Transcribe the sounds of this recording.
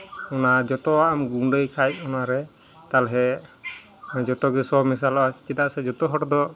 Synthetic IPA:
ɔnad͡ʒɔt̪ɔaːmɡuɖəjkʰajt̪̚ˀɔnaɾɛ | t̪alɦɛ | d͡ʒɔt̪ɔɡɛsɔmis̬alɔast͡ʃit̪aʔsɛd͡ʒɔt̪ɔɦɔʈɔd̪ɔ

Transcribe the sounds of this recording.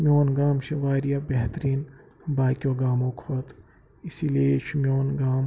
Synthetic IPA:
mjoːnɡaːmʃɐʋaːɾijabɛɦt̪əɾiːn | baːkjoːɡaːmõːkʰoːt̪ | ɪsiːlieʃmjoːnɡaːm

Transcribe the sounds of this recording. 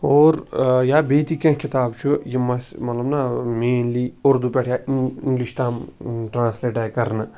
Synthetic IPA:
oːɾjaːbeːt̪ikɐ̃kʰɪt̪aːbt͡ʃʰujemɐsmɐt̪lɐbnameːnliːoɾd̪upeːʈʰjaːiɪŋɡliʃt̪aːmʈɾãːnsleːʈaːjkɐɾn

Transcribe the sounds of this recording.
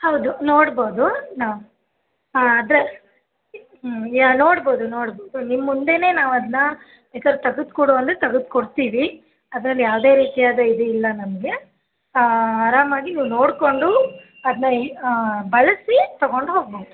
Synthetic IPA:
hɐwd̪unoːɽboːd̪unaːʋu | ɐd̪ɾe | no̞ːɽbo̞ːd̪unoːɽboːd̪unimːund̪e̞ne̞ːnaːʋɐd̪ɐnɐ | bɛːkad̪ɾɐt̪ɐɡud̪kuːɽoɐnd̪ɾet̪ɐɡud̪̚koɽt̪iːʋi | ɐd̪ɾɐlːijaːʋd̪e̞ːɾiːt̪ijaːd̪ɐid̪eilːɐnɐmɐɡe̞ | ɐɾaːmaːɡiniːʋno̞ːɽko̞ɳɖu | ɐd̪ɐnɐ | bɐɭɐsit̪ɐɡo̞ɳɖuɦoːɡ̚boːd̪u

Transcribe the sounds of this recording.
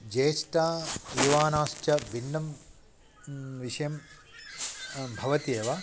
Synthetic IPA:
d͡ʒeːʂʈaːjuʋaːnaːʃt͡ʃɐbinːɐm | ʋiʂɐjɐm | bʱɐʋɐt̪ieːʋɐ

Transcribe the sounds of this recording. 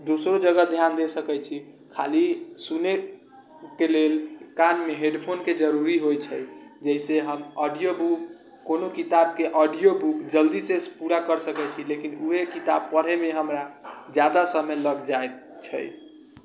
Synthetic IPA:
d̪osɾod͡ʒəɡəd̪ʱjand̪esəkɛt͡ʃʰi | kʰa̰lisune | kelelkanmeɦeɖpʰonked͡ʒəɾuɾiɦojt͡ʃʰəjd͡ʒəiseɦəmɔɖijobuk | konokit̪ab̚keʔɔɖijobukd͡ʒəld̪isepuɾakəɾsəkɛt͡ʃʰilekinuɦekit̪ab̚pəɾɦɛmeɦəmɾad͡ʒjad̪asəmeləɡd͡ʒae | t͡ʃʰə̰j

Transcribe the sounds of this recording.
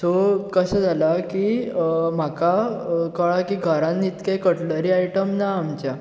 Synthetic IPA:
t̪okəɕad͡zʱalaki | m̤akakəɭakiɡʱəɾãnːit̪kajkəʈləɾiaiʈəmnaːmt͡ɕja

